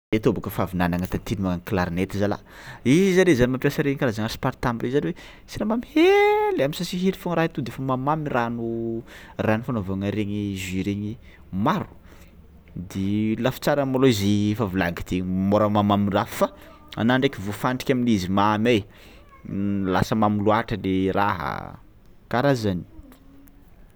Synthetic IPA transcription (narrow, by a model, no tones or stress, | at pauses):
et̪obakəfavinanaŋat̪ant̪inimaŋakilaɾinet̪izala̰ | izizaɾezanimampʲjasəɾeɲikalazaŋaɾsi̥paɾt̪ambizaniwe | sinamamihelaminsasiɦiɾi̥fuŋɾait̪ud̪efəmamamiranu | ranufanovaŋəɾeɲiziɾeɲi | maɾu̥ | d̪elafi̥t͡saɾamoloizefavulaɡit̪emoɾəmamamiraffa | a̰naɳɖ͡ʐekivufaɳʈ͡ʂi̥kʲaminizimamej | la̰səmamiluaʈ͡ʂəleɾa̰ɦə̰ | kaɾazani̥